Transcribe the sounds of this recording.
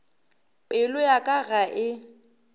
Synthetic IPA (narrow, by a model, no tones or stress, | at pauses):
ɪlʊjakʼaɣaʔɪ